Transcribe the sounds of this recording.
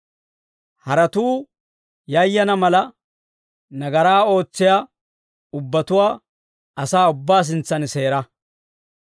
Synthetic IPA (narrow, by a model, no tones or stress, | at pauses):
hɐɾɐt̪uː | jɐjːɐnɐmɐlɐ | nɐɡɐɾaːo̞ːt͡sːɪja | ʊbːɐt̪ʊwaː | ɐsaːʊbːaːs̬ɪnt͡sːɐnse̞ːɾɐ